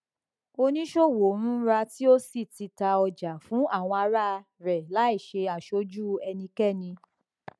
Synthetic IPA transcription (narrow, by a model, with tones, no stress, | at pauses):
o˧nĩ˦ʃo˦˨wo˨˦ɾ̃ũ˨˦ɾa˧ti˦o˦si˦˨ti˧ta˧ɔ˧d͡ʒa˨fũ˨˦a˦˨w̃ɔ̃˧a˧ɾa˦˧ | ɾɛ˨la˨˦i˦˨ʃe˧a˨ʃo˧d͡ʒu˦ɛ˧nĩ˧kɛ˦˨nĩ˧